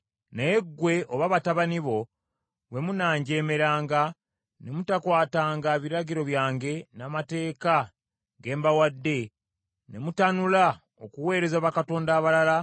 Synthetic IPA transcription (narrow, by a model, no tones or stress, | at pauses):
neːɡwe̞ʔoβaβataβaniβo̞ | βwe̞munaːɲɟe̞ːmeɾaːŋɡa | ne̞mutakwaːtaːŋɡaβiɾaɟiɾo̞βjaːŋɡe̞namate̞ːka | ɡe̞ːmbawadːe̞ | ne̞mutanula | okuwe̞ːɾe̞zaβakato̞ːndaːβalala